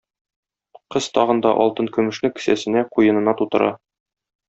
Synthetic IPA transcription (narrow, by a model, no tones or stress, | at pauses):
qɤz̥t̪ɒʁɤ̆nd̪ɑʔɒlˠt̪ɤŋkʉ̆mɵ̆ʃnɘkɘ̥̆sæsɘ̆næqujɤ̆nɤ̆nɑt̪ut̪ɤ̆ɾɑ